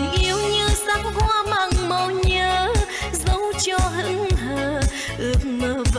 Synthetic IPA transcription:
ŋʔi˨˧˦əwɲɨ˧sa˧˦ŋkwaː˧ma˨˩ŋmə˨˩ɲəː˧˦ | zə˧˦wt͡ɕɔ˧ɦɨ˧˦əŋɦəː˨˩ | ʔɨ˨˧˩ək̚məː˨˦v

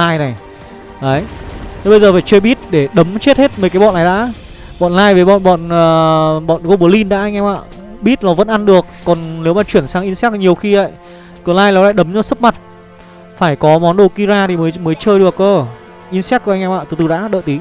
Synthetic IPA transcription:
aː˧jna˨˩j | ʔə˨˦jt̪ʰe˨˦ɓə˧jzəː˨˩vaː˧˩t͡ɕwe˧ɓi˦˥t̚ɗe˧˩ɗə˨˦mt͡ɕe˦˥t̚he˦˥t̚mə˨˩kaː˨˦jɔ̰˧˨nːa˨˩jɗa̰ː˧˥ | ɓɔ̰˧˨nlaː˧jve˨˦ɓɔ̰˧˨nɓɔ̰˧˨nəː˨˩ɓɔ̰˧˨nko˧ɓu˧˩li˧nɗa̰ː˧˥ʔa˧ŋʔɛ˧mʔa̰ː˧˨ | ɓi˦˥t̚nɔ˨˦və̰˧˥nʔa˧nɗɨ˨˩ək̚ːɔ˨˩nne˨˦wmaː˨˩t͡ɕwi˧˩ənsaː˨˦ŋʔi˧nsɛ˦˥˨ɲi˨˩əwxi˧ʔə̰˧˨j | kɔ˧˩laː˧jla˨˦la̰ː˧˨ɗə˨˦mɲɔ˧˦sə˦˥p̚ma˨˩t̚ | faː˧˩jkɔ˨˦mɔ˨˦nɗo˧˩ki˧zaː˧t̪ʰi˨˩mə˨˦jməː˨˦jt͡ɕəː˧jɗəkʔoː˧ | ʔi˧nsɛ˦˥t̚ku˧˦ʔŋʔɛ˧maː˧˨t̪ɨ˨˧˩t̪ɨ˨˧˩ɗa̰ː˧˥ɗə̰ː˧˨t̪i˨˦

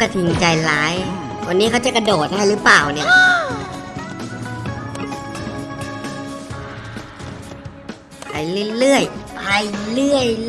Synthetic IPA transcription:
ka˧˩t̪ʰi˨˩ŋt͡ɕa˧jlaː˨˦j | wa˧nːiː˦˥kʰa˥wt͡ɕa˧˩jka˧doː˨˩t̪̚a˧ha˧˩˨lɯː˦˥plaː˨˩wni˧˩ɐ˧˩ | pa˧jlɯ˧˩˨jlɯ˥˩əjpa˧jlɯ˥˩əj

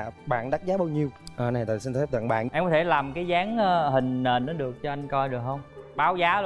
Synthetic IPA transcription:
ɓa̰ː˧˨nɗa˦˥zaː˨˦ɓaː˧wɲi˧əwʔəː˨˩na˨˩t̪ɔ̰˨˩si˧nfɛ˦˥p̚t̪ə̰˧˨nɓa̰ː˧˨nʔɛ˧mkɔ˨˦t̪ʰe˧˩laː˨˩mkaː˨˦jzaː˨˦ŋː˧hï˨˩ŋ̟neː˨˩nʔɔː˨˦ɗɨ˨˩ək̚t͡ɕɔ˧ʔa˧jŋkɔ˧jɗɨ˨˩k̚hə˧wŋ͡mɓaː˧˦wzaː˨˦

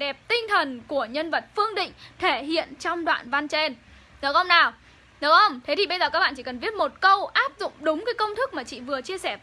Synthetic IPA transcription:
ɗɛ˨˩p̚t̪ï˧ŋ̟t̪ʰə˨˩nku˧˩əɲə˧nvə˨˩t̚fɨ˧əŋɗḭ̈˧˨ŋ̟t̪ʰe˧˩ɦḭ˧˨ənt͡ɕɔ˧wŋ͡mɗwa̰ː˧˨nva˧nt͡ɕe˧n | ɗə˨˦wxə˧wŋ͡mnaː˨˩w | ɗwkxə˧wŋ͡mt̪ʰe˨˦t̪i˨˩ɓə˧jzəː˨˩kaː˦˥k̚a̰ː˧˨˩t͡ɕi˧˩kə˨˩nvi˦˥ət̚mo˨˩t̚kə˧wʔaː˦˥p̚zʊ̰˧˨ŋ͡mɗʊ˨˦ŋ͡mkaː˨˦jkə˧wŋ͡mt̪ʰɨ˦˥k̚maː˨˩t͡ɕḭ˧˨vɨ˨˩ət͡ɕi˧əsɛː˧˩

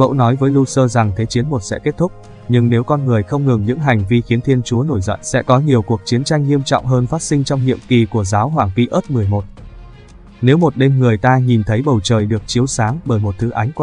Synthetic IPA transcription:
ɓə̰˧˥wnɔ˨˦jvəː˨˦jlu˧səː˧za˨˩ŋt̪ʰe˨˦t͡ɕi˨˦ənmo˨˩t̚sɛ̰˧˥ke˦˥t̚t̪ʰʊ˦˥k͡p̚ | ɲɨ˧ŋne˨˦wkɔ˧nŋɨ˨˩əjxə˧wŋ͡mŋɨ˨˩ŋɲɨ̰˧˥ŋɦa˨˩jŋ̟vi˧xi˨˦ənt̪ʰi˧ənt͡ɕu˨˦əno˧˩jzɔ̰˧˨nsɛ̰˧˥kɔ˨˦ɲi˨˩əwku˨˩ək̚t͡ɕi˨˦ənt͡ɕa˧jŋ̟ːi˧əmt͡ɕɔ̰˧˨wŋ͡mɦəː˧nfaː˦˥t̚sï˧ŋ̟t͡ɕɔ˧wŋ͡mhḭ˧˨əmki˨˩ku˧˩əzaː˨˦wɦwaː˧˩ŋpi˧ʔəː˦˥t̚mɨ˨˩əjmo˨˩t̚ | ne˨˦wmo˨˩t̚ɗe˧mŋɨ˨˩əjt̪aː˧ɲi˨˩nt̪ʰə˨˦jɓə˨˩wt͡ɕəː˨˩jɗɨ˨˩ək̚t͡ɕi˨˦əwsaː˨˦ŋɓəː˧˩jmo˨˩t̚t̪ʰɨ˨˦ʔa˨˦ŋ̟k

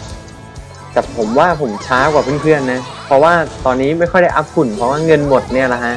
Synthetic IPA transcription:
ka˨˩pʰo˩˦mwaː˥˩pʰo˩˦mt͡ɕʰaː˦˥kwaː˨˩pʰɯ˥˩ə˨npʰɯ˥˩ənːa˦˥pʰɾɔ˦˥waː˥˩t̪ɔː˧nːiː˦˥ma˥˩jxʰɔ˥˩jda˥˩jʔa˦˥p̚ku˨˩npʰɾɔ˦˥waː˥˩ŋɤ˧nmo˨˩t̪̚ni˥˩ɐla˦˧kʰa˦˥ʔ

